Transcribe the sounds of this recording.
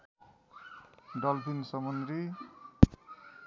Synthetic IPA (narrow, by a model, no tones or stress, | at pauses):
ɖʌlpʰinsʌmʌnd̪ɾi